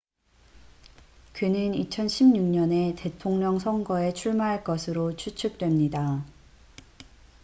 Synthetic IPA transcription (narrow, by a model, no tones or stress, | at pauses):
kɯnɯnit͡ɕʰʌnɕʰimɲuŋɲʌne̞te̞tʰoŋɲʌŋsʰʌŋɡʌe̞t͡ɕʰuɭmaɦaɭk͈ʌsʰɯɾot͡ɕʰut͡ɕʰɯk̚t͈we̞mɲida